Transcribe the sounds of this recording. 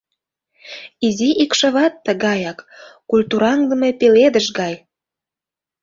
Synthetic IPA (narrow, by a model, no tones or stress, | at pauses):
iziʔikʃə̆βɑt̪ːəɣɑjɑkː | ulʲt̪uɾɑŋd̪ə̆me̽peled̪əʃɡɑj